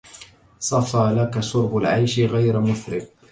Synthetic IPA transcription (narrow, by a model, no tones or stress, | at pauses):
sˤɑfaːlakasʊɾbʊlʕajʃɣajɾmʊθɾɪq̚